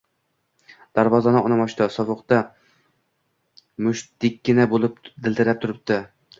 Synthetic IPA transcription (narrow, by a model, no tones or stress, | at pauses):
d̪̥aɾvɒzanɪɒnamɒʃt̪asɒvɨqt̪a | mʊʃd̪ɪkʲːɪnabolˠɪp̚d̪ɪlʲˠt̪ʰɪɾap̚t̪ʰʊɾɪp̚t̪ɪ